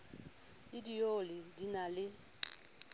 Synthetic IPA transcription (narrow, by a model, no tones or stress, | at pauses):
ɪdijolɪdinalɪ